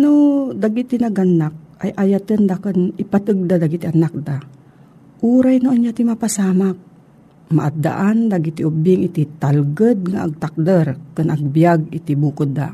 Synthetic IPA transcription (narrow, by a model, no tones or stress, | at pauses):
nod̪aɡit̪inaɡanak̚ajʔajat̪ɨnd̪akɨnɪpat̪ɨɡ̚d̪ad̪aɡit̪ɪʔanak̚d̪a | ʔuːɾajnoʔanjat̪imapasaːmak̚ | ma̰ʔat̪̚d̪a̰ʔand̪aɡit̪iʔʊbɪŋɪt̪ɪt̪alɡəd̪̚ŋa̰ʔːɡ̚t̪ak̚d̪əɾkɨnʔɐɡ̚bjaɡɪt̪ɪbuːkʊd̪a̰